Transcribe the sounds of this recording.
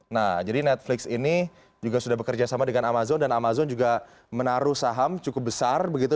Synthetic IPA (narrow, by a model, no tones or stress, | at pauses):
nahd͡ʒadinɛt̪̚flɪksini | d͡ʒuɡasudahbəkərd͡ʒasamadəŋanamazɔndanamazɔnd͡ʒuɡa | mənaɾuhsaɦamt͡ʃukʊp̚bəsarbəɡit̪u